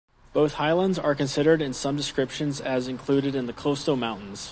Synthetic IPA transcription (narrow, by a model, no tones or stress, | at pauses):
b̥oʊθhaɪlˠə̃ndzə˞kɨ̃nsɪɾə˞ɾɨ̃nsʌ̃mdɨskɹɪpʃɨ̃nzɨzɨ̃nkʰl̥ʉɾɨɾɨ̃nðɨkʰl̥oʊstoʊmãʊ̃nn̩z̥